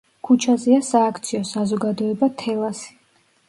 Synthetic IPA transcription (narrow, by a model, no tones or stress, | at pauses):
kʰut͡ʃʰazɛasaːkʰt̪sʰiɔsazɔɡad̪ɔɛbat̪ʰɛlˠasi̥